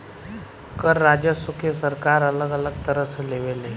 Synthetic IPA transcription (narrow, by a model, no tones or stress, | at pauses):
kəɾːad͡ʑəsukʰesəɾkaɾələɡələɡt̪əɾəsleʋele